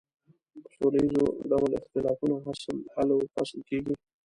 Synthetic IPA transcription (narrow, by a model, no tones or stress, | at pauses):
solaizoɖawalɪ̰xt̪ɪlɑfunoɦaslhalawfa̰sɪlkeɡi